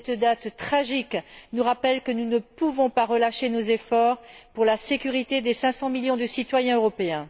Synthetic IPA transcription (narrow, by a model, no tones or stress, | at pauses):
ɛt̪d̪at̪t̪χaʒiknuʁapɛlkənunəpuvɔ̃paʁəlaʃenozefɔʁpuʁlasekʲyʁit̪ed̪esɛ̃sɑ̃miljɔ̃d̪əsit̪wajɛ̃øʁɔpeɛ̃